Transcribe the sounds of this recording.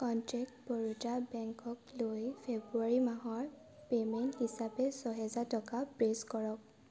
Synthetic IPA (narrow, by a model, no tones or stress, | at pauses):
kɔntɹɛk̚tbɔɹutabɛŋkɔklojpʰebɹuaɹimaɦɔɹ | pemɛnthisapɛsɔɦɛzatɔkapɹeskɔɹɔk̚